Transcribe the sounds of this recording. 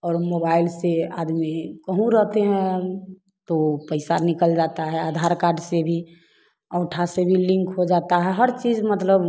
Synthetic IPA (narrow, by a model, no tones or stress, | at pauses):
ɔːɾmobaɪlsea̰d̪mikəɦũɾəɦt̪eɦɛ̃ | t̪opəɪsanikəld͡ʒat̪aɦɛad̪ʱaɾkaːɾɖsebʱi | əʊʈʰasebʱilĩŋkɦod͡ʒat̪aɦɛɦəɾt͡ʃiːd͡ʒmət̪ləb